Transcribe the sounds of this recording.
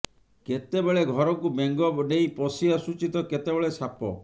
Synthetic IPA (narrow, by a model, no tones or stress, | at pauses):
ket̪ebeɭeɡʱɔɾɔŋkumeŋɡɔbnejpɔsiasut͡ʃit̪ɔket̪ebeɭesapɔ̰